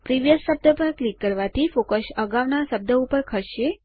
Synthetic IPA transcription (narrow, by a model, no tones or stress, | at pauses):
pɾiʋjəsːəb̚d̪əpəɾklikːəɾʋat̪ʰifokəsəɡaʋnasəb̚d̪əupəɾkʰəʃe